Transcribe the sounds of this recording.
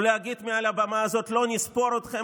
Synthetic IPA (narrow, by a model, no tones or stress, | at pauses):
leaɡit̪mealabamaazo̞t̪lo̞nispoɾot̪χe